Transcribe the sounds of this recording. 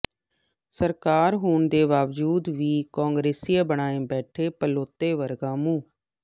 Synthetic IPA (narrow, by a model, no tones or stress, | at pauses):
səɾkaːɾɦuːɳd̪eːʋaːʋd͡ʒuːd̪ʋiːkoːŋɡɾeːsiːaːbəɳaːẽːbɛːʈʰeːpəloːt̪ːeːʋəɾɡãːmũː